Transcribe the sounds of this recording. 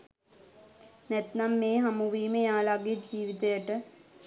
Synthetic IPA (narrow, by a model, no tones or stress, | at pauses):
nɛt̪namːeːɦamuʋiːməjaːlaɡed͡ʒiːʋit̪ejəʈəs